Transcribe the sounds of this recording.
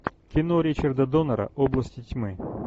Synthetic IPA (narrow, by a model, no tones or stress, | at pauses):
kʲɪnoɾʲɪt͡ɕɪrd̪ɐd̪onɐɾə̰ʔoblˠəsʲtʲɪtʲmɨ